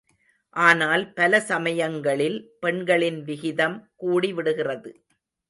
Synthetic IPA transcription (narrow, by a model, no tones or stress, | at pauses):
ʔaːnaːlpɐlɐsɐmɐjɐŋɡɐɭɪlpɛɳɡɐɭɪnʋɪɣɪðɐmkuːɽiʋɪɽɯɣɪrɐðɯ